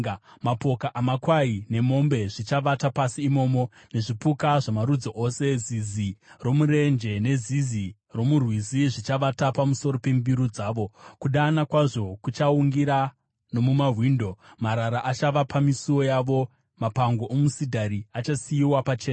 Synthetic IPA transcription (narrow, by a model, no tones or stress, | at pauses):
mapo̞kaʔamakwaine̞mo̞mbe̞ʐit͡ʃaʋatapasiːmo̞ːmo̞ | ne̞ʐipukaʐamaɾud͡zoʔo̞se̞ziziro̞muɾe̞nd͡ʒe̞ne̞zizi | ro̞murwiziʐit͡ʃaʋatapamuso̞ɾo̞pe̞mbiɾud͡zaːʋo̞kuɗaːnakwaʐo̞kut͡ʃauŋɡiɾa | no̞mumaɦwiːndo̞maɾaɾaʔat͡ʃaʋapamisiwo̞jaʋo̞ | mapaŋɡo̞ʔomusidʱaɾiat͡ʃasijiwapat͡ʃe̞ːna